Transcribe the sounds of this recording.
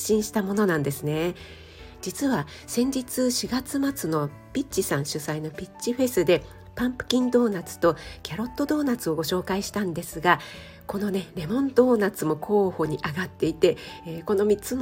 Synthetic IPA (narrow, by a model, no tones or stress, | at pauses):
ɕĩɰ̃ɕi̥t̪amo̞no̞nãnd̪e̞sɨne̞ | d͡ʑit͡sɨβa | sẽ̞ɲ̟d͡ʑit͡sɨɕiɡat͡sɨmat͡sɨno̞ | pʲit͡ɕːisãɰ̃ɕɨsaino̞pʲit͡ɕt͡ɕːiɸe̞sɨd̪e̞ | pãmpɯ̟̥kʲĩnd̪o̞ːnat͡sɨ̥t̪o̞kʲaɾo̞t̪ːo̞d̪o̞ːnat͡sɨo̞ɡo̞ɕo̞ːkaiɕi̥t̪ãnd̪e̞sɨɡa | ko̞no̞ne̞ɾe̞mõ̞nt̪o̞ːnat͡sɨmo̞kʰo̞ːho̞ɲ̟iʔaɡat̪ːe̞it̪e̞ko̞no̞mʲit͡sɨm